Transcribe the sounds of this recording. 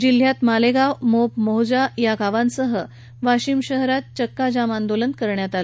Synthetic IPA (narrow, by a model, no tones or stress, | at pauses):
d͡ʑil̤jat̪maleɡawmopmoɦd͡ʑajaɡʱaʋansəɦə | ʋaɕimɕəɦɾat̪̚t͡ɕəkːad͡ʑamand̪olənkəɾɳjat̪al